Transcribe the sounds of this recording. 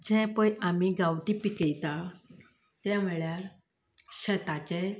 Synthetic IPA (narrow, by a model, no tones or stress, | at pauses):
d͡ʑɛ̃pəjamiɡawʈipikəjt̪ã | t̪jãm̤əɭjaɾ | ɕət̪at͡ɕɛ